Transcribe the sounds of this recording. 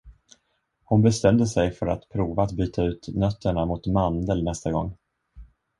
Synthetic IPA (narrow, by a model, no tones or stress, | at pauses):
hʊnbɛst̪ɛmd̪əsɛjfœɾat̪pʰɾuːvaːt̪̚byːt̪ʰaʉ̟ːt̪nœt̪ʰːəɳamʊt̪mand̪əlnɛst̪aɡɔ̰ŋː